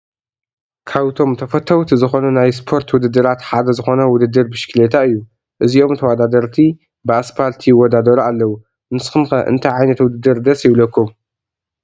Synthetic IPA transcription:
kʰaβt̪ʰo̞mt̪ʰɐfɐt̪ʰːɐwt̪ʰizɨxo̞nɐnajs̬pʰo̞ɾt̪wʊd̪ɨd̪ːɨɾat̪ħad̪ɐzɨxo̞nɐwʊd̪ɨd̪ːɨɾbɨʃɨ̥kʰɨlet̪ʰaɨjːu | ʔɨziʔo̞mt̪ʰɐwad̪ad̪ɐɾt̪ʰi | bɨasfalt̪ʰiwɔd̪ad̪ɐɾualːɐwu | nɨsxɨmxɐʔɨ̰nt̪ʰajʕajnɐt̪wʊd̪ɨd̪ːɨɾd̪ɐsjɪβlɐkːum

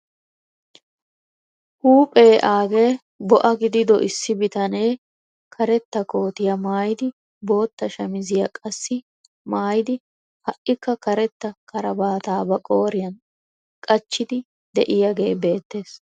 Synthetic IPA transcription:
huːpʼe̞ːʔaːɡe̞ː | bɔʔɐɡɪd̪ɪd̪ɔ̰ʔɪsːɪbɪt̪ɐne̞ː | kʰɐɾɛt̪ːɐko̞ːt̪ɪjɐmaːjɪd̪ɪ | bo̞ːt̪ːɐʃɐmɪzɪjɐkʼɐsːɪ | maːjɪd̪ɪ | hɐʔɪkːɐkɐɾɛt̪ːɐkʰɐɾɐbaːt̪aːbɐkʼo̞ːɾɪjɐn | kʼɐt͡ʃːɪd̪ɪ | d̪ɛʔɪjɐɡe̞ːbe̞ːt̪ːe̞ːs

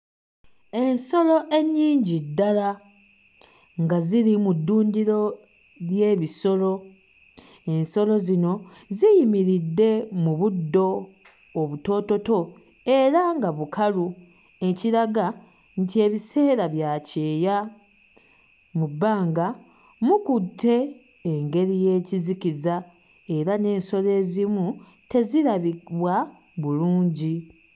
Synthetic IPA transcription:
e̞nso̞lo̞ʔe̞ɲːiːɲɟidːala | ŋɡaziɾimudːuːndiɾo̞ | lje̞ːβiso̞lo̞ | e̞nso̞lo̞zino̞ | zijimiɾidːe̞muβudːo̞ː | βuto̞ːto̞to̞ | e̞ɾaŋɡaβukʰalu | e̞ciɾaɡa | ntie̞ːβise̞ːɾaβjaceːja | mubːaːŋɡa | mukutʰːe̞ː | ŋɡe̞ɾije̞ːcizikiza | e̞ɾane̞ːnso̞le̞ːzimu | te̞ziɾaβiβwa | βuluːɲɟi

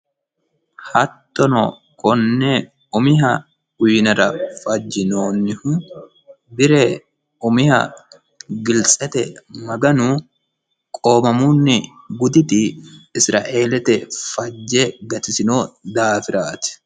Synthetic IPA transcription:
hɐt̪ːɔnɔ | kʼɔnːeː | ʊmɪɦɐ | ʊjnɐɾɐfɐd͡ʒːɪnoːnːɪhʊ | bɪɾeː | ʊmɪhɐ̰ | ɡɪlsʼɛt̪ɛmɐɡɐnu | kʼo̞ːmɐmuːnːɪ | ɡʊd̪ɪt̪ɪɪsɾa̰ːʔe̞ːlɛt̪ɛfɐd͡ʒːeːɡɐt̪ɪsɪnoːd̪aːfɪɾaːt̪ɪ̥

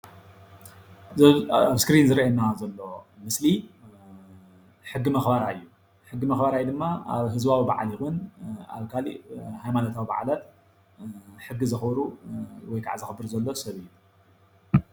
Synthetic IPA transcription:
aβskɾinzɨɾʔanːazɐlːo̞mɨsli | ħɨɡːimɐxbaɾaɨjːu | ħɨɡːimɐxbaɾajd̪ɨmːaaβɦɨzbawiba̰ʕa̰lixuna̰βkʰalḭhajmanot̪ʰawiba̰ʕalat̪ | ħɨɡːizɨxbɾuwɔjkʰa̰ʕzɨxɨbɨɾzɐlːo̞sɐβɨjːu

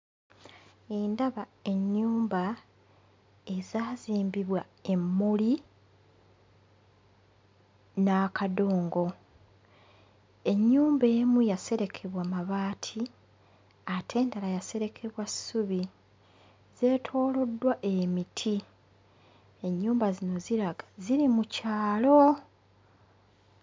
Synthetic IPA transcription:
indaβae̞ɲːuːmba | e̞zaːziːmbiβwa | e̞mːoli | nakʰado̞ːŋɡo̞ | e̞ɲːuːmbe̞ːmujase̞ɾe̞kʰe̞βwamaβaːtʰi | atʰe̞ːndalajase̞ɾe̞kʰeβwassuβi | ze̞ːtʰo̞ːlo̞dːwaʔe̞mitʰi | e̞ɲːuːmbazino̞ziɾaɡḁziɾimucaːlo̞

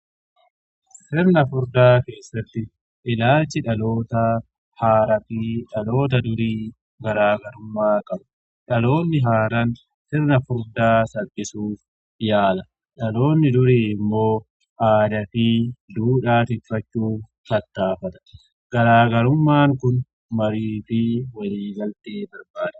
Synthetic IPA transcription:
sɪɾnɐfʊɾd̪aːke̞ːsːɐt̪ːɪ | ʔɪlaːlt͡ʃːɪᶑɐlo̞ːt̪ɐ | haːɾɐfiːᶑɐlo̞ːt̪̬ɐd̪ʊɾiː | ɡɐɾaːɡɐɾʊmːaːkʼɐbʊ̥ | ᶑɐlo̞ːnːɪɦaːɾɐn | sɪɾnɐfʊɾd̪aːsɐbːɪsuːf | jaːlɐ | ᶑɐlo̞ːnːɪd̪ʊɾiːɪmːo̞ː | ʔaːd̪ɐfid̪uːᶑaːt̪ɪfːɐt͡ʃːuːf | kɐt̪ːaːfɐt̪ɐ̥ | ɡ̥ɐɾaːɡɐɾʊmːaːŋkʊn | mɐɾiːfɪwɐliːɡɐlt̪eːbɐɾbaːd̪ɐ̥

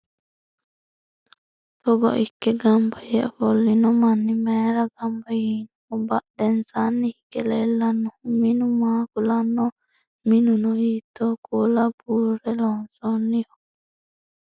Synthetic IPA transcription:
t̪ɔɡɔ̰ʔikːɛɡambaja̰ʔfɔlːinɔmanːimɛːɾaɡambajinuɔbaʔd̪ɛnsanːihikɛlɛlːanːuhuminumaːkulanːɔ | minunɔit̪ɔkolabuɾɾɛlɔnsɔnːijɔ

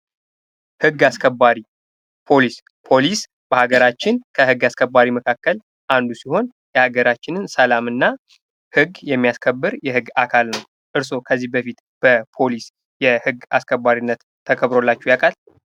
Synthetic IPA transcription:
hɨɡːaskʰəbːaɾi | pʰo̞lis | pʰo̞lis | b̥əhaɡəɾat͡ʃːɪnkʰəhɨɡːaskʰəbːaɾiməkʰakːəl | ʔand̪usiho̞n | jɛhaɡəɾat͡ʃːɪnɨnsəlamɨnːa | hɨɡjɛmːijaskʰəbːɨɾjɛhɨɡːakʰalnəw | ʔɨɾso̞kʰəzːihbəfit̪ | b̥əpʰo̞lis | jɛhɨɡːa̰skʰəbːaɾinːət̪ʰːəkʰəβɾo̞lːat͡ʃːujakʰal

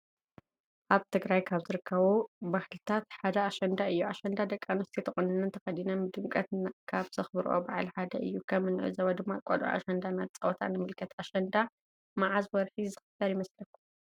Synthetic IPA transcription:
ʔaβt̪ʰɨɡɾajkʰaβzɨɾɨkʰːɐβobahɨlt̪ʰat̪ħad̪ɐaʃɐnd̪aɨjːuaʃɐnd̪ad̪ɐkʼːanost̪ʰit̪ʰɐχʼunɨnɨnt̪ʰɐxɐd̪inɐnɨd̪ɨmkʼɐt̪nkʰaβzɐxbɨɾʔo̰baʕlħad̪ɐʔɨ̰jːukʰɐmːɨnʕɨ̰zɐβɐd̪ɨmːakʼo̰lʔo̰ʔa̰ʃɐnd̪anat͡sʼɐwɔt̪ʰa̰nɨmɨlkʰɐt̪aʃɐnd̪a | maʕazwɔɾħizɨxɨt̪ːɐɾjɪmɐslɐkʰːu

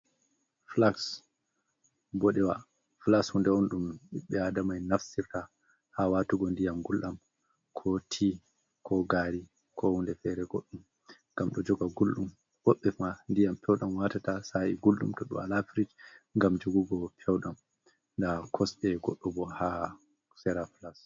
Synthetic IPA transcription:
flaks | bɔɗɛwa | flakshundɛɔnɗumiɓɛadamajnafsiɾta | hawatuɡɔndijamɡulɗam | kʰɔtʰi | kʰɔɡaːɾi | kʰɔhundɛfɛɾɛɡɔɗːum | ŋɡamɗɔd͡ʒɔɡaɡulɗum | wɔɓːɛmandijampɛwɗamwatatasaiɡulɗṵmtɔɗṵma̰lafɾid͡ʒŋɡamd͡ʒoɡuɡɔpʰɛwɗam | ndakʰɔsɓɛɡɔɗːɔbɔha | sɛɾaflas

